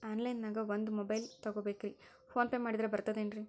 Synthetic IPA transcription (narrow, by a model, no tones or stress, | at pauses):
aːnlɐjnːaːɡɐʋond̪umɔbɐjlt̪ɐɡoːbeːkɾi | pʰoːnpeːmaːɽid̪ɾebɐɾt̪ɐd̪eːnɾi